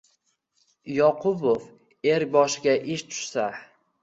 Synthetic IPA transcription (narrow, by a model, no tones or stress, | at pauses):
jɒqʰʊbof | e̞ɾ̚ʲbɒʃɪɡʲaʔɪʃt̪ʰʊ̥ʃsa